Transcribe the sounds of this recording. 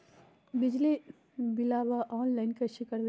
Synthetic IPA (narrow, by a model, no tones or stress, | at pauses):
bɪd͡ʒli | bɪlaːʋaʔɔːnlaːɪnkɐʃɪkəɾd̪